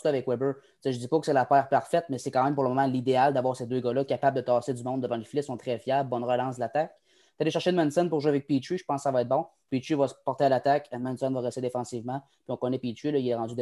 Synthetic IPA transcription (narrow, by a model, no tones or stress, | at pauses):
lɔavɛkwɛbə | seʒəd͡z̪ipɔkə̥sɛlapɛːʁpaʁfɛt̪̚mɛsɛkɑ̃ːmɛ̃mpuʁləmɔmãlid̪eald̪avwaːʁsed̪øːɡʌlʌkʲapabld̪ət̪ɑːsedd͡zymɔ̃d̪əvɑ̃ləfilɛsɔ̃t̪χɛfjabːɔnʁəlɑ̃s̬d̪əlat̪ak | t̪aleʃɛʁʃed̪nmɛnsɛnpʊʁʒwavɛk̚pit͡ʃiʒə̥pɑ̃skːsavaɛːt̪̚bɔ̃ | pit͡ʃivʌsəpɔʁt̪ealat̪ak̪mɛnsɔnvaʁɛst̪ɪd̪efɑ̃sivmã | pɥiɔ̃kɔnɛpit͡ʃiləilɛʁɑ̃d͡zyd̪